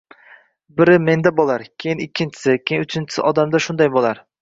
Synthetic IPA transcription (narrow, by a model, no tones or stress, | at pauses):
bɪɾɪme̞nd̪abolˠaɾkʲʰejɪnɪkʲʰːɪnt͡ʃʰɪ̥sɪkʲʰejɪnʊt͡ʃʰɪnt͡ʃʰɪ̥sɪ̰ʔɒd̪amd̪aʃʊnd̪ajbolˠaɾ